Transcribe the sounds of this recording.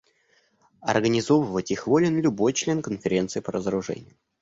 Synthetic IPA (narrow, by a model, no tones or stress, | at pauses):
ɐ̰rɡənʲɪzo̞vəvətʲixvolʲɪnlʲʊbo̞jt͡ɕlʲe̞nkənfʲɪɾʲe̞nt̪sɨɪːpəɾəzəɾʊʐɛ̰nʲɪjʊ